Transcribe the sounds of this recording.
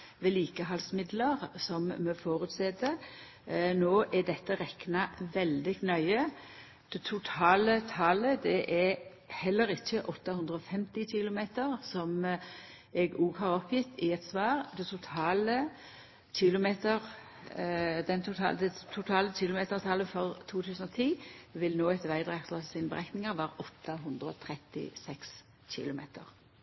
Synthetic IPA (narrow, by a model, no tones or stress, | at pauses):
ʋɛːliːkəɦɑlsmɪd̪ləʁsɔmmɛfoːɾʉt̪sɛd̪ə | noːʔæɖɛt̪ːəʁɛknɑʋɛld̪ɪknœʏə | d̪̥ɛt̪ʰʊt̪ʰɑːlət̪ʰɑːləd̪ɛʔɛ | hɛlːəɾɪçːəʔɔt̪ːɑhʉnd̪ʁəɔfɛmt̪ɪçɪlʊmeːt̪əʁsɔm | ɛɡuːɡhɑɾɔpjɪt̪ːɪɛt̪sʋɑːʁd̪ɛt̪ʰʊt̪ʰɑːlə | ɕɪlʊmeːt̪əʁ | d̪ɛnt̪ʰʊt̪ʰɑ̰ːd̪ɛt̪ʰʊt̪ʰɑːlət͡ʃɪlʊmeːt̪əʁt̪ʰɑːləfɔʁt̪ʰuːt̪ʰʉːsən̩ɔt̪ʰiːʋɪlnoːɛt̪ʋæɪd̪ɾʁɛkt̪ɑsinəbə̰ʁæknɪŋɑʋæːɾʔɔt̪ːɑɦʊnd̪ɾəɔ̰t̪ʰɾɛt̪ɪ̰sɛks | ɕɪ̰lʊmḛːt̪ə̰ʁ